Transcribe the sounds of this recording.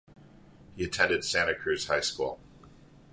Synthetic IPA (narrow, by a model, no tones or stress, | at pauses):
hiɨtʰɛ̃ndɨd̥sæ̃nɨkʰɹ̥ʉz̥haɪskṵlˠ